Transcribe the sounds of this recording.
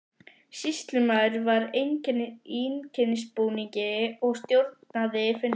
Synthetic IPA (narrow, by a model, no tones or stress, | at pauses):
sist̪lʏmaðɾvaɾ | incʰɛnːɪspuːnicɪɔɣst̪jowɾt̪̚naðɪfʏn